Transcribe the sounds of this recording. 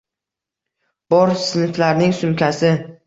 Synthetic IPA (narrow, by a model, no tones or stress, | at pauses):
b̥ɒɾsɪnɪflaɾnɪŋsʊmkʲʰasɪ